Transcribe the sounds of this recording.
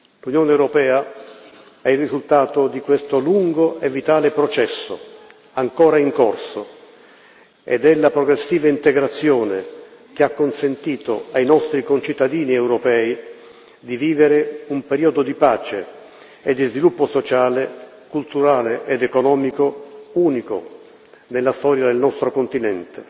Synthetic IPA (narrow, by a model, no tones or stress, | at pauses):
lunjoːneɛwɾopɛːa | ɛirːizult̪aːt̪od̪ikwest̪oluŋɡoʔevːit̪aːlepɾɔt͡ʃɛsːo̰ | aŋkɔːɾaiŋkorso | ḛd̪ɛlːapɾoɡɾesːiːvaint̪eɡɾat̪sːjɔːnek̟eakːonsent̪iːt̪oajnɔst̪ɾikont͡ʃit̪ːad̪iːniɛwɾɔpɛːi | d̪iviːveɾeumpeɾiːɔd̪od̪ipaːt͡ʃe | ed̪ːizvilupːosot͡ʃaːle | kult̪uɾaːleʔed̪ekonɔːmikouːniko̰ | nelːast̪ɔːɾjad̪elnɔst̪ɾokont̪inɛnt̪e